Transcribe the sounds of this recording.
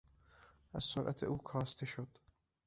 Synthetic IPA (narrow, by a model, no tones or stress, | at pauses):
ʔæz̥soɾʔæ̰t̪ʰḛʔuːkʰɒːst̪ʰe̞ʃod̪̥